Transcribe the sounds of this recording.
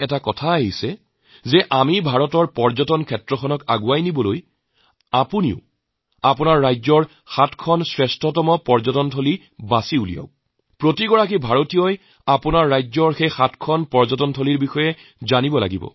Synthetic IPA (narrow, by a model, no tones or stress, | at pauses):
ɛtakɔtʰaaɦisɛ | zɛʔamibʱaɹɔtɔɹpɔɹzɔtɔnkʰɛtɹɔxʰɔnɔkaɡuajnibɔloj | apunḭʊ | apʊnaɹːajzɔɹ | xatʰkʰɔnsɹɛstʰɔtɔmɔpɔɹzɔtɔntʰoli | basiulḭja̰ʊ | pɹotiɡɔɹak̬ibʱaɹotijɔj | apʊnaɹːajzɔɹxejxatʰkʰɔnpɔɹzɔtɔntʰoliɹbixɔjɛ | zanibɔla̰ɡibɔ̰